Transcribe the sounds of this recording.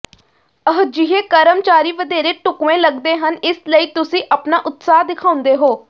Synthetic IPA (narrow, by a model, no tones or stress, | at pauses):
əɦd͡ʒɪɦeːkəɾəmt͡ʃaːɾiːʋəd̪eːɾeːʈʊkʋẽːləɡd̪eːɦənɪsləiːt̪ʊsĩːʔəpnaːʔʊt̪saːɦd̪ɪkʰãːʊ̃nd̪eːɦoː